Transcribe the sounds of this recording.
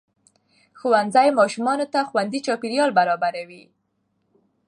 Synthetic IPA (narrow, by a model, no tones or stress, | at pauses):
xuwand̪zajmɑʃumɑnot̪axwand̪it͡ʃɑpɪɾjɑlbaɾɑbaɾawi